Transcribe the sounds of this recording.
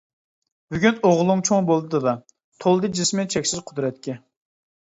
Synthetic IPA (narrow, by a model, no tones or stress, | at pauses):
byɡʲynoʁlˠumt͡ʃʰoŋbolˠd̪ɨd̪ɨd̪ɑ | t̪ʰolˠd̪ɨd͡ʒismɪt͡ʃʰɛkʲsɪzqʰʊd̪ɾɛt̪̚kʲɛ